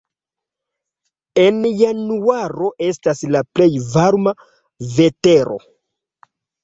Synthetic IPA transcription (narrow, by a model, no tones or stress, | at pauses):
e̞njanuaɾo̞ʔe̞staslaple̞jvaɾma | ve̞te̞ɾo̞̰